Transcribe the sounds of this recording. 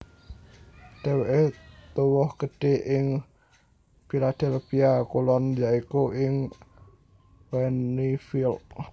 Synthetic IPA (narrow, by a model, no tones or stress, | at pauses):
ɖ̥ɛweʔet̪uwɔhɡ̥əɖ̥e̤ʔɪŋ | filad̪̥ɛlpiakulɔnjaikuʔɪŋ | wɛnifil